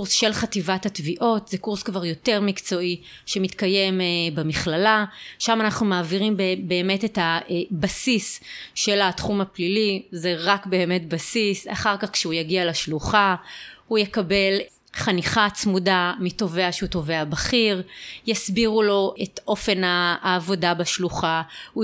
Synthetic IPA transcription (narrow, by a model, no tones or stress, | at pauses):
usʃe̞lχativathatviʔo̞tzekuʁskvaʁjo̞te̞ʁmikt͡so̞ʔi | ʃemitkaje̞mbemiχlalaʃamanaχnumaːviʁimbbe̞ːme̞tetabasisʃe̞latχumaplilizeʁakbe̞ːme̞tbasisa̰χaʁkaχkʃeujaɡialaʃluχahujekabe̞l | χaniχat͡smudamito̞ve̞aʃeuto̞ve̞abaχiʁjasbiʁulo̞ʔeto̞fe̞naːvo̞dabaʃluχahu